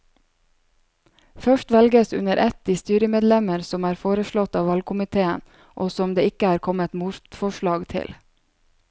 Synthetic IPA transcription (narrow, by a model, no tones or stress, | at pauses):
fœʃʈʋɛlɡəsʉ̰nəɾʔɛt̪̚d̪iːst̪yːɾəmeːd̪lɛməɾsɔmæːɾfoːɾəʃɭɔt̪ɑːʋɑlkʰʊmɪt̪ʰeːən | ʔoːsɔmd̪eːɪkəæːɾkʰɔmət̪muɾt̪fɔʃɭɑːɡt̪ʰɪ̰l